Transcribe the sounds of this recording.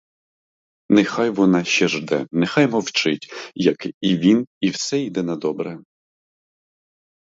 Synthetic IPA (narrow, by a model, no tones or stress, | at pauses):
nexɑjʋɔnɑʃt͡ʃɛʒd̪ɛ̰nexɑjmɔwt͡ʃɪtʲjɐkiʋʲiniwsɛid̪ɛnɐd̪ɔbɾɛ